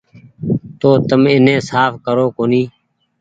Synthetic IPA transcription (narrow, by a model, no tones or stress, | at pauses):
t̪oːt̪əmɪnẽːsaːfkəɾoːkoːniː